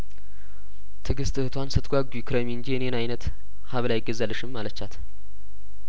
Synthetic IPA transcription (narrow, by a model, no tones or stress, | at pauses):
t̪ʰɨɡɨst̪ɨhɨt̪ʰwansɨt̪ʼɡʷaɡukʰɾəmiɨnd͡ʒijɛnenajnət̪ | haβlajɪɡːəzːalːəʃɨmːalət͡ʃːat̪ʰ